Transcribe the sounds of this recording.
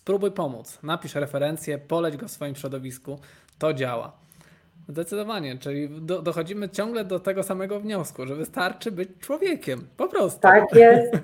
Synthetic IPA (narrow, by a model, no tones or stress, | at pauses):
spɾubujpɔmṵt̪snapʲiʂɾɛfɛɾɛnt̪sʲjɛpɔlɛd͡ʑɡɔfsfɔjimɕɾɔd̪ɔvʲisku | t̪ɔd͡ʑawa̰ | zd̪ɛt̪sɘd̪ɔvaɲɛt͡ʂɘlʲid̪ɔd̪ɔxɔd͡ʑimɘt͡ɕɔŋɡlɛd̪ɔt̪ɛɡɔsamɛɡɔvɲɔskuʐɛvɘst̪aɾt͡ʂɘbɘt͡ɕt͡ʂwɔvʲjɛkʲɛmpɔpɾɔst̪t̪akjɛst̪